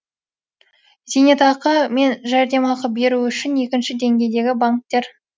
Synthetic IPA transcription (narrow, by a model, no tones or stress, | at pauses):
zenet̪ɑqɑme̞nʒæɾd̪e̞mɑqəp̚be̞ɾuʏʃɪne̞kʲɪnʃɪd̪e̞ŋɡʲe̞jd̪e̞ɡʲɪbaŋk̚t̪ːe̞ɾ